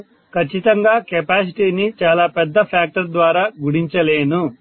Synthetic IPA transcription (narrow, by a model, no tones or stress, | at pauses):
kʰɐt͡ʃːit̪ɐŋɡaːkɛpaːs̬iʈiːnit͡ʃaːlaːpɛd̪ːɐpʰaːk̚ʈɐɾd̪ʋaːɾaːɡuɽiɲt͡ʃɐle̞ːnu